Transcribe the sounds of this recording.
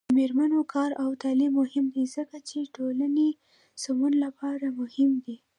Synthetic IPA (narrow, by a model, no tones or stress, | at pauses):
əmeɾmanokʰɑɾawt̪ɑlimːʊhɪmd̪izəkat͡ʃeʈolane | samunlapɑɾamʊhɪmd̪i